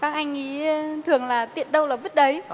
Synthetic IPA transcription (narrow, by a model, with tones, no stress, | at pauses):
kaː˦˥k̚ʔa˧jŋ̟ŋi˨˦˧t̪ʰɨ˨˩əŋlaː˨˩t̪ḭ˧˨ənɗə˧wlaː˨˩və˦˥t̚ɗə˨˦j